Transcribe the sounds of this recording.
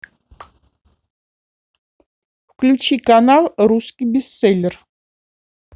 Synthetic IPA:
wkʰʼlut͡ʃʰikʼanalɾuskʼibisɛlɾ

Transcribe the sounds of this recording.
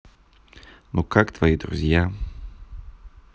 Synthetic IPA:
nokakt̪vaid̪ɾṵzʲja

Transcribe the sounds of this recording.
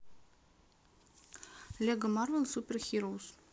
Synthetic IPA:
lʲeɡəmɑrvʲensupʲerxʲiɾows

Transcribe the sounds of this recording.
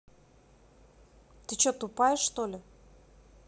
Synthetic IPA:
t̪ɨt͡ɕot̪ʊpajɪʂːt̪olʲɪ

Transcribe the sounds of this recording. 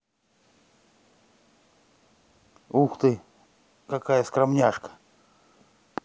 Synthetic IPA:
uxt̪ɨ | kakajəskɾamnʲaʂkə̥

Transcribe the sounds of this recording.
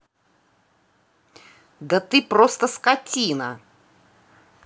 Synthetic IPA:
d̪ɐt̪ɨpɾost̪əskɐtʲinə

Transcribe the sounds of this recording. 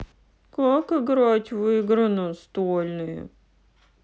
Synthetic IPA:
kokəɡɾɔtʲvɨɡɾənʊst̪olʲnʊjʊ̰

